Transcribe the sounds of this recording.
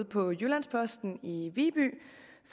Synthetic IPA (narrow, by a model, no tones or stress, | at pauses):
ðˠpʰɒ̽julænspʰɒ̽sd̥n̩iʋiːb̥y̰ːf